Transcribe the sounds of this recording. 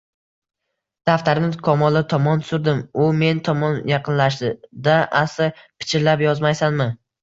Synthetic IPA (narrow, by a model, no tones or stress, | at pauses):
d̪̥aft̪aɾnɪkʰɒmɒlˠɪt̪ʰɒmɒnsʊɾd̪ɪmʊme̞nt̪ʰɒmɒnjɑqʰɨnlaʃd̪d̪aʔasɪpʰɪ̥t͡ʃʰɪɾlapjɒzmajsanmɪ